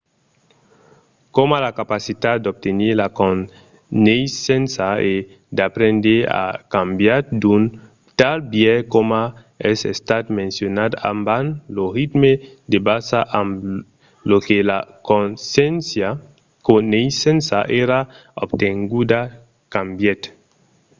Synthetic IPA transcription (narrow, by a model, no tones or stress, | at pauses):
komalakapasit̪ad̪d̪ob̚t̪eneɾlao | nejsensae | d̪apɾẽnd̪eɾa̰kambjad̪un | t̪albjɛkoma | esest̪at̪mẽnsjonad̪a̰mbanlorit̪me | d̪ebasaʔam | lokelakonsensja | konesensaʔeɾaobt̪eŋɡud̪a | kambjet̪